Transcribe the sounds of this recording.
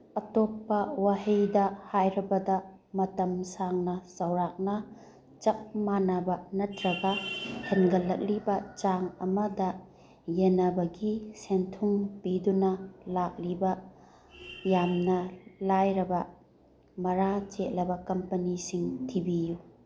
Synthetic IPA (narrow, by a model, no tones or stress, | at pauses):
ɐtopːɐwahejdɐhajɾɐbɐdɐ | mɐtɐmsaŋnɐsɐwɾak̚nɐ | t͡ʃɐk̚manɐbɐnɐtɾɐɡɐhenɡɐlːɐ̰k̚libɐt͡ʃaŋɐ̰mɐdɐ | jenɐbɐɡisentʰuŋpidunɐlak̚libɐ | jamnɐlajɾɐbɐ | mɐɾat͡ʃet̚lɐbɐkɐmpɐnisiŋtʰibiju